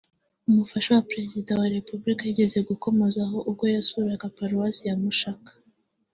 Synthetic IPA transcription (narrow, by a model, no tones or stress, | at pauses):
umufaʃowapɾe̞zidawaɾe̞pubɾikajiɟe̞ze̞ɡuko̞mo̞zaɦo̞ʔub̚ɡo̞jasuɾaɡapaɾuwasijamuʃakḁ